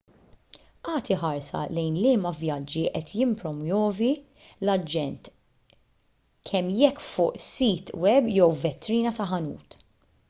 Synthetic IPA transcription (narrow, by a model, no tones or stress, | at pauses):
ʔɐːt̪ɪħɐɾsɐ̰lɛjnlɪːmɐvjɐd͡ʒːiʔɛt̪jɪmpɾɔmjɔːvi | lɐd͡ʒːɛnt̪ | kʰɛmːjɛkːfʊːʔsiːt̪wɛbjɛwvɛt̪ːɾiːnɐt̪ɐħɐnṵːt̪